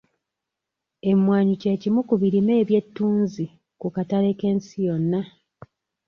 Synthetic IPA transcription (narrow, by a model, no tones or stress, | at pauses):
e̞mwaːɲuce̞ːcimukuβiɾime̞ːβje̞tːuːnzi | kukataɾe̞ke̞ːnsijo̞nːa